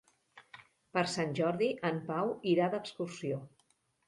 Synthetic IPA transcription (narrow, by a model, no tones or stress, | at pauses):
pəɾsanʲʒɔɾðiʔəmpawiɾad̪əkskursio